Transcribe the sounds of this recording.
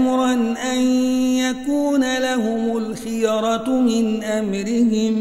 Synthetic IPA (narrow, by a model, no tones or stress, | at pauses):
mʊɾˤɑnʔanjakuːnalaɦʊmʊlxɪjɑɾˤɑt̪mɪnʔamɾɪhɪm